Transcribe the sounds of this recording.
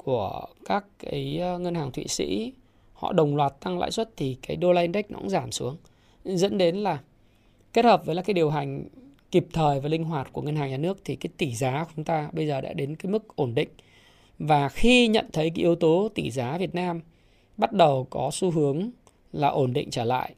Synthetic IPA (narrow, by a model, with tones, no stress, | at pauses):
ku˧˩əkaː˦˥kkaː˨˦jŋə˧nhaː˨˩ŋt̪ʰwḭ˧˨sḭ˧˥ | hɔ̰˧˨ɗə˨˩wŋ͡mlwaː˨˩t̚t̪a˧ŋla̰ː˧˥jswə˦˥t̚t̪ʰi˨˩kaː˨˦jɗo˧laː˧i˧nɗa˦˥k̟̚nʔɔ̰˧˥ŋzaː˧˩msu˨˦əŋ | zə̰˧˥nɗe˨˦nlaː˨˩ | ke˦˥t̚həː˨˩p̚vəː˨˦laː˨˩kːjɗi˨˩əwɦa˨˩jŋ̟ | ki˨˩p̚t̪ʰəː˨˩jvaː˨˩lï˧ŋ̟ɦwaː˨˩t̚ku˧˩əŋə˧nhaː˨˩ŋɲaː˨˩nɨ˦˥ək̚t̪ʰi˨˩kaː˨˦jt̪i˧˩zaː˨˦kt͡ɕʊ˨˦ŋ͡mt̪aː˧ɓə˧jzəː˨˩ɗa̰ː˧˥ɗe˨˦nkaː˨˦jmɨ˦˥k̚ʔo˧˩nɗḭ̈˧˨ŋ̟ | vaː˨˩xi˧ɲə̰˧˨nt̪ʰə˨˦jk̬a˨˦ʔi˨˦əwt̪o˨˦t̪i˧˩zaː˨˦vi˨˩ət̚naː˧m | ɓa˦˥t̚ɗə˨˩wkɔ˨˦su˧ɦɨ˨˦əŋ | laː˨˩ʔo˧˩nɗḭ̈˧˨ŋ̟t͡ɕəː˧˩la̰ː˧˨jʔ